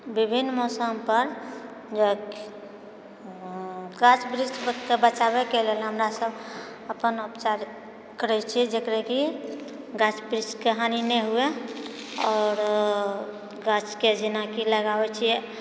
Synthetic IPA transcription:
bibʱinːmɔsəmpəɾ | d͡ʒo | ɡat͡ʃbɾisʈʰkebət͡ʃabekelelɦəmɾasəb | əpənupt͡ʃaɾ | kəɾɛt͡ʃʰid͡ʒekɾɛki | ɡat͡ʃbɾisʈkəɦaninɛɦue | ɔːɾ | ɡat͡ʃked͡ʒinakiləɡabɛt͡ʃʰiɛ

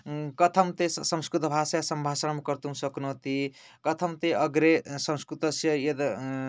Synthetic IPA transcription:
kʌt̪ʰʌmt̪esʌmskɾut̪ʌbʱasajsʌmbʱasənmkʌɾt̪uɦũsʌknuɦt̪i | kʌt̪ʰʌmt̪eʌɡɾesʌ̃mskɾut̪ʌsjʌjed̪

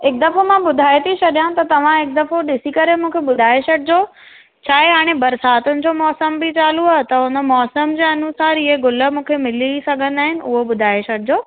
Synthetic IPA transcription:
ɦɪk̚d̪ɐfomãɓʊd̪ʱaːet̪ʰit͡ɕʰɐɗijãt̪ɐt̪ɐʋ̤ãɦɪk̚d̪ɐfoɗɪsikɐɾemũːkʰeɓʊd̪ʱaːeɕɐɽɪd͡ʑoː | t͡ɕʰaːɦeɦaːɽ̃ebɐɾsaːt̪ʊnɪ̆d͡ʑoːmɔːsəmbit͡ɕaːluaːɦt̪ɐɦʊnə̆mɔːsəmd͡ʑeːɐnusaːɾɪɦeɡʊlə̆mũːkʰemɪlisɐɡʱənɪaːɦɪnɪ̆ʊɦoɓʊd̪ʱaːeʃɐɽʰɪd͡ʑoː

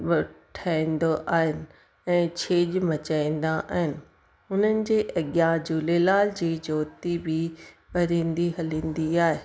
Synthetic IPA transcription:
ɓɐʈʰaːĩːnd̪oʔaːɦɪnɪ̆ | ɛ̃ːt͡ɕʰeːʄmɐt͡ɕaːĩːn̆d̪aʔa̰ːɦɪnɪ̆ | ʊn̤ənɪ̆d͡ʑeːʔɐɠjad͡ʑulelaːld͡ʑiːd͡ʑoːt̪ibɪ | pɐɾĩːnd̪iɦɐlĩːnd̪iaːɦeː

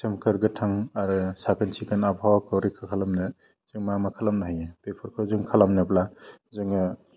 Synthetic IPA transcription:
semkɯɾɡɯtʰaŋaɾɯsakɯnsʰikɯnabʱawakɯwɾikʰakʰalamnɯ | zɯŋmamakʰalamnaɦajɯpepʰɔɾkʰɯwzɯŋkʰalamnɯplazɯŋɯ

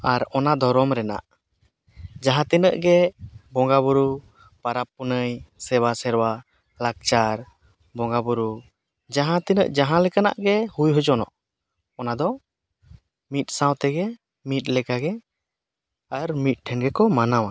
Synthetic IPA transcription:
aɾɔnad̪ɔɾɔmɾɛna̰ʔ | d͡ʒaɦãt̪ɛnəʔɡɛbɔŋɡaβuɾu | paɾap̚ːɔnəjsɛwasɛɾwa | lak̚t͡ʃaɾ | bɔŋɡabuɾu | d͡ʒaɦãt̪inəʔd͡ʒaɦãlɛkana̰ʔɡɛhujɦɔd͡ʒɔnɔ̰ʔ | ɔnad̪ɔ | mit̪̚ˀsãwt̪ɛɡɛ | mit̪̚lɛkaɡɛ | aɾmit̪̚ʈʰɛnɡɛkɔmanawa

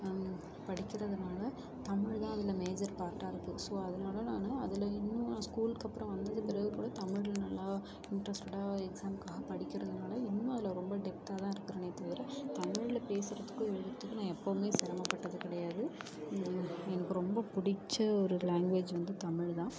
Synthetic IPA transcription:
pɐɽɪkʲːɪɾɐðɯnaːlɐ | t̪ɐmɪɻt̪ãːɐðɪlɐmeːd͡ʒɐɾpaːɾʈːaːɪɾɯkːɯsoːɐðɐnaːlɐlaːnɐɐðɪlɐɪnːɯ̃nːskuːlkɐpːɯɾɐ̃ʋɐnd̪ɐðɯpɪɾɐɣɯkuːɽɐt̪ɐmɪɻɪlnɐlːaː | ɪɳʈɾɐsʈʊɽaɛksaːmkaːɣɐpɐɽɪkʲːɪɾɐðɯnaːlɐɪnːʊ̃ɐðɪlɐɾɔmbɐɖɛp̚ʈaːt̪ãːɪɾɯkːɯɾɐːneːt̪ɐːʋɪɾɐt̪ɐmɪɻɪlɐpeːsɯɾɐðɯkːʊ̃ɛɻɯðɪɾɐt̪ːɯkːɯnãːɛpːɐʋɯmeːsɪɾɐmaːpːɐʈːɐðɯkɪɽɐjaːðɯ | ɛnɐkːɯɾɔmbɐpʊɽɪt͡ʃːɐɔɾɯlaːŋɡʋeːd͡ʒʋɐnd̪ɯt̪ɐmɪɻt̪ãː

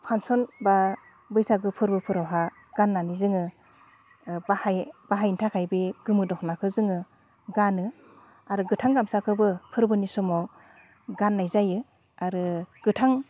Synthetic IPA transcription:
pʰansɔnba | bɯjsaɡɯpʰɯɾbɯpʰɯɾawɦa | ɡ̥anːanizɯŋɯ | bahajbaɦajntʰakʰajbeɡɯmɯdɔknakʰɯzɯŋɯ | ɡanɯ | aɾɯɡɯtʰaŋɡamsakʰɯbɯpʰɯɾbɯnisɔmɔw | ɡanːajzajɯ | aɾɯɡ̥ɯtʰaŋ

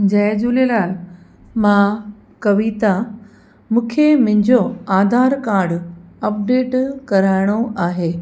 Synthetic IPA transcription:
d͡ʑɐːd͡ʑulelaːl | mã | kɐʋiːt̪a | mũːkʰemʊ̃ɦɪ̃ɲd͡ʑoaːd̪ʱaːɾkaːɾɖɐp̚ɖeːʈkɐɾaːɪɽ̃oʔaːɦeː

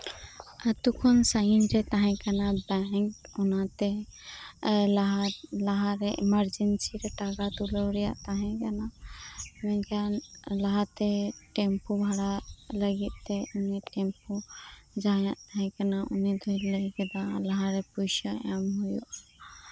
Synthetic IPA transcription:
at̪ukʰɔnsajnɾɛt̪aɦɛ̃kanabaŋkunat̪e | laɦlaɦaɾeʔiməɾd͡ʒensiɾɛʈaɡat̪uləwɾija̰ʔt̪aɦɛ̃kana | mɛkanlaɦat̪eʈempubʱaɽaləɡit̪̚t̪ɛuniʈempud͡ʒajãʔt̪aɦɛ̃kanaʔṵnid̪ʱɔjlɛɡɛd̪alaɦaɾepujsɔamɦujuʔ

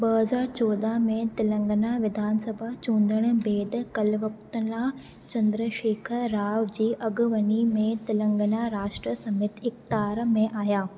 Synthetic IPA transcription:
bɐɦɐzaːɾt͡ɕɔːd̪amẽt̪ɐlə̃ŋɡənaʋɪd̪ʱaːnsɐbʱat͡ɕũːnd̪əɽ̃̆beːd̪kɐlʋɐk̚t̪əna | t͡ɕɐ̃nd̪ɾəʃeːkʰɾaːʋd͡ʑiːʔɐɡʊʋɐnimẽt̪ɐlə̃ŋɡənaɾaːʃʈɾəsɐmɪt̪ʰɪxt̪aːɾmẽʔaːɦjaː

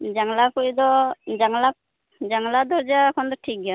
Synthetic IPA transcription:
d͡ʒaŋlakujd̪ɔd͡ʒaŋla | d͡ʒaŋlad̪ɔɾd͡ʒaɛkʰɔnd̪ɔʈʰik̚ːa

